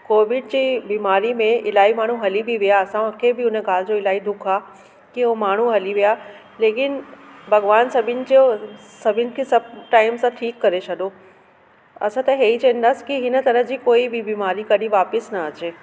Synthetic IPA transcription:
koːʋɪɖd͡ʑiːbiːmaːɾimẽɪlaːimaːɳ̤uɦɐlibʱiʋijaɐsãkʰebɪʊnəɡaːld͡ʑoɪlaːid̪ʊkʰaː | kiomaːɳ̤uɦɐliʋijaː | leːkɪnbʱɐɡʋaːnsɐbʱɪnɪ̆d͡ʑo | sɐbʱɪnɪ̆kʰesɐb̚ʈaːɪmsãʈʰiːkːɐɾet͡ʃʰɐd̪o | ɐ̰sãt̪ɐɦeːit͡ɕɐ̃ɦə̃nd̪askiɦɪnə̆t̪ɐɾəɦd͡ʑiːkoːibʱibiːmaːɾikɐɗiʋaːpɪsnɐɐt͡ɕeː

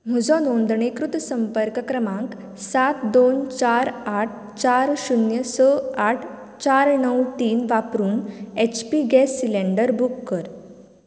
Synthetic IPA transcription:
m̤ud͡zɔnõnd̪ɳekɾut̪səmpəɾkəkɾəmãŋk | sat̪d̪ont͡ɕaɾaʈʰ | t͡ɕaɾɕunjəsəaʈʰ | t͡ɕaɾnəwʈiːnʋapɾuːnet͡ɕpiɡɛsːilẽɳɖəɾbukːəɾ

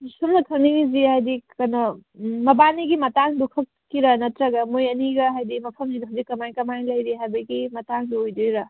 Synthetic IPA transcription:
sumnɐkʰɐniŋizihajdikɐnɐmɐbaniɡimɐtaŋdukʰɐkːiɾɐnɐtɾɐɡɐmojɐniɡɐɦajdimɐpʰɐmzidɐɦɐwzikːɐmajnkɐmajnlɐjɾiɦajbɐɡimɐtaŋduojdojɾɐ

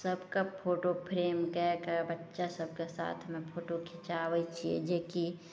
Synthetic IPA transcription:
səbkapʰoːʈopʰɾeːmkɛkabətːʃasəb̚ʱkesa̰ːt̪ʰmẽpʰoːʈokʰɪt͡ʃaːwəit͡ʃʰiḛd͡ʒeːki

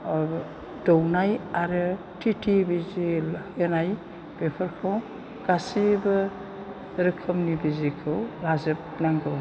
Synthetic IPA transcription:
dɔwnajaɾɯ | tʰitʰibiziɔnaj | b̥epʰɔɾkʰɯw | ɡ̥asibɯ | ɾɯkʰɯmnibizikʰɯwlazɯp̚ | naŋɡɯw

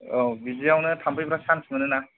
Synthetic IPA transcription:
ɔbiziawnɯtʰampʰɯjpʰɯɾasamsʰɯmɯnɯna

